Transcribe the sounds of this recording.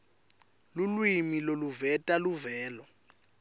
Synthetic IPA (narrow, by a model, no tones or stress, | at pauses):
lulwimiloluvɛtʼaluvɛːlɔ